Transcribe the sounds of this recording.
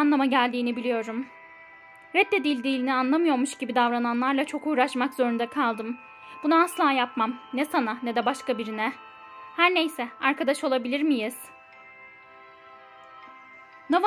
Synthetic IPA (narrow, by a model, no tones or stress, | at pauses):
nlˠamaɟælʲd̪iːnibilʲijo̞ɾum | ɾɛd̪ːɛd̪ilʲd̪ijlʲinianlˠamɯjo̞ɾmuʃɟibid̪avɾananlˠaɾlˠat͡ʃʰo̞kuːɾaʃmakz̥o̞ɾund̪akʰalˠd̪ɯm | b̥unaːslˠaːjapmamnɛsananɛd̪ɛbaʃkabiɾinɛ | hæɾnejsɛaɾkʰad̪aʃo̞lˠabilʲiɾmijiz̥ | nav